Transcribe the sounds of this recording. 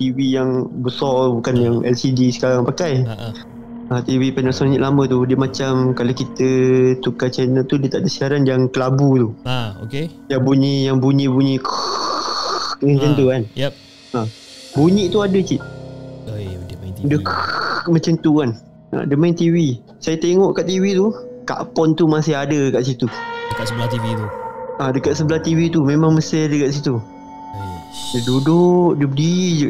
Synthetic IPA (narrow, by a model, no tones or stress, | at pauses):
t̪iwijaŋbəsɔbukanjaŋɛ̰lsidisə̥kaɾaŋpakaj | at̪iwipɛnbəsɔnɲiʔlamə̃t̪udiəmãt͡ʃamkalokit̪ət̪ukat͡ʃajnəlt̪udiət̪aʔdəsiaɾanjaŋkəlabut̪uoke | jaŋbuɲiʔjaŋbuɲĩʔbuɲĩʔk | mət͡ʃənt̪uan | a | buɲĩʔt̪uadət͡ʃiʔ | dəkmə̃t͡ʃənt̪uan | a̰dəmant̪iwi | sajat̪eŋɔʔkaʔt̪iwit̪uka̰ʔpɔnt̪umasɪɦadəkaʔsit̪udəkasət̪iuadəkat̪səbəlaht̪iwit̪umẽmãŋməsɪdəkaʔs̬it̪u | dədudʊʔdəbdi